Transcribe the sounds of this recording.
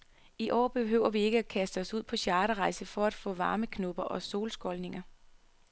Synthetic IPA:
iʔɒ̰ːb̥e̝ɦø̰ʊ̰ɐʋie̝ɡ̥əækʰæsd̥əɒ̽suð̰ˠpʰɒ̽ɕjɑ̈ːɾəʁɑ̈ɪsəfɒ̽æd̥fɔ̰ːʋɑ̈ːməkʰnɔb̥ɐʔɒ̽so̝̰ːlsɡ̥ɒ̽lne̝ŋɐ

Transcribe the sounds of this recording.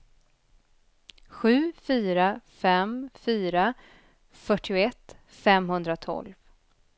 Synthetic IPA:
ɧʉ̟ːfyːɾafɛmfyːɾa | fœʈʰːɪʊɛt̪ː | fɛmɦɵnd̪ɾat̪ʰɔ̰lv

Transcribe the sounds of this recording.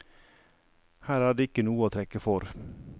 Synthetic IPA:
hæːɾæːɖeːɪkənuːəoːt̪ʰɾɛkəfɔɾ

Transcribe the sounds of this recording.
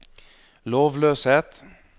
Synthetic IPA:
loːʋløːsheːt̪

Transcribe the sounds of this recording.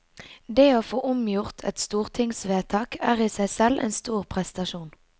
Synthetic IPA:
d̪eːoːfoːʔʊmjʊʁt̪ʰɛ̰t̪st̪uːʁt̪ʰɪŋsʋeːt̪ʰɑːkæːʁiːsæɪsɛlʔḛːnst̪uːʁpʰʁɛst̪ɑʃuːn

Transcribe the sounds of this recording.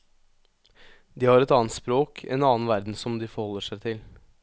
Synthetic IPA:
d̪iːhɑɾɛt̪ɑːnt̪spɾoːkʰɛ̰nɑːnʋæɾd̪n̩sɔmd̪ɪfɔɾhɔlːəʂæɪt̪ʰɪl

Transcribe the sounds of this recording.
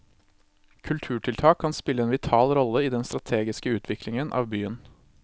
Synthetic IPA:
kʰʉlt̪ʰʉːʈʰɪlt̪ʰɑːkʰːɑnspɪlːəeːnʋɪt̪ʰɑːlɾɔləiːd̪ɛnst̪ɾɑt̪ʰeːɡɪskəʉːt̪ʰʋɪklɪŋənʔɑ̰ːʋbyːən

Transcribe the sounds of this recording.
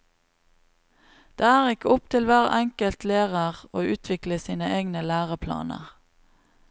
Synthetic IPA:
d̪̥eːæːʁɪkəʊp̚t̪ʰɪlʋæːʁɛŋkəlt̪leːʁəʁoːʔʉːt̪ʰʋɪkləsiːnəeːɡnəlæːʁəpʰlɑ̰ːnə̰ʁ

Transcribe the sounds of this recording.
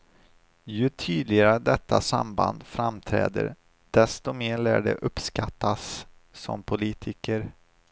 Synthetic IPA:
jɵt̪ʰyːd̪lɪɡaɾəd̪ɛt̪ːasa̰mband̪fɾamt̪ʰɾɛ̰ːd̪ə̰ɾ | d̪̥ɛst̪ɔmeːɭæːɖɛʔɵpskat̪ʰːasː | ɔ̰mpʰʊliːt̪ʰɪkəɾ

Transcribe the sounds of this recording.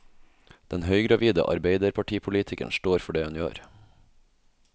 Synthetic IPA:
d̪̥ɛnhœʏɡɾɑʋiːd̪ə̰ʔɑ̰ɾbeɪd̪əɾpʰɑʈʰiːpʰʊliːt̪ʰɪkə̰nʃʈoːɾfɔɖeːhʉnjø̰ːɾ

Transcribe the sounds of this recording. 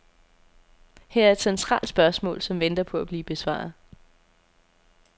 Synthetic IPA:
hæɐæɐed̥sent͡sʰʁɑ̰̈ːld̥sb̥ɶɐsmɔ̰̽ːlsɒ̽mʋend̥ɐpʰɒ̽æb̥liːb̥e̝sʋɑ̰̈ːð̩ˠ

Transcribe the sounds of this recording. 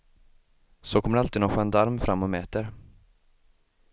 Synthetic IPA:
sɔkʰɔmːəɖɾalt̪ɪːd̪nɔɧaɛnd̪aɾmfɾamːɔmɛːt̪əɾ

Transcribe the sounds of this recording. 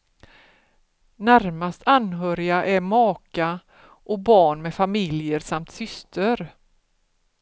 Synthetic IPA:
næɾmast̪ʰanːɦœːɾɪɡaʔæɾmɑːka | ʔɔk̚bɑːɳmɛfamɪljəɾsamt̪sʏst̪əɾ

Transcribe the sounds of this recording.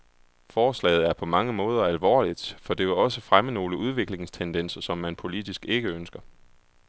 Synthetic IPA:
fɒːslɛ̰ːð̩ˠæɐpʰɒ̽mɑ̈ŋəmɔ̽ːð̞ˠɐælʋɒ̰ːlid̥fɒ̽d̥e̝ʋe̝lɒ̽səfʁaməno̝ːləʔuð̞ˠʋe̝ɡ̥le̝ŋst͡sʰend̥en̰sɐsɒ̽mːænpʰo̝lid̥isɡ̥e̝ɡ̥əønsɡ̥ɐ

